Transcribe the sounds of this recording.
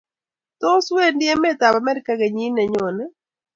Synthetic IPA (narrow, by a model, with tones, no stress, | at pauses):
t̪o˦swe˦ndɪ˦ɛ˦mɛ˦t̪a˨ba˨mɛ˦ɾɪ˦ka˦ɡe˨ɲi˦nɛ˨ɲɔ˨nɛ˦